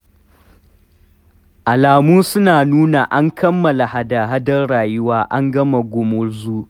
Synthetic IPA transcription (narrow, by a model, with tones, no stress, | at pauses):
ʔa˨laː˨muː˦sʊ˦naː˨nuː˦na˨ʔa˦ŋkʰɐ˦mːɐ˨la˨ha˦da˨ɦa˦dɐ˦rɽaː˨jʊ˦waː˦ʔa˦ŋɡɐ˦ma˨ɡʷʊ˨mʊ˦ɽzuː˦